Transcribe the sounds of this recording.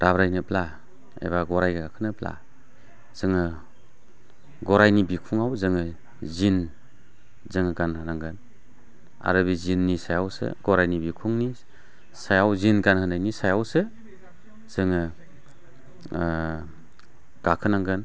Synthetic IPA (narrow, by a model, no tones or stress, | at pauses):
ɾabɾajnɯpla | ḛβaɡɔɾajɡakʰɯnɯpla̰ | z̥ɯŋɯ | ɡɔɾajnibikʰuŋawzɯŋɯ | zin | zɯŋɯɡanhʰɯnaŋɡɯn | a̰ɾɯbizinːisajawsɯ̰ɡɔɾajnibikʰuŋni | sajawzinɡanhɯnajnisajawsɯ | z̥ɯŋɯ | ɡ̥akʰɯnaŋɡɯn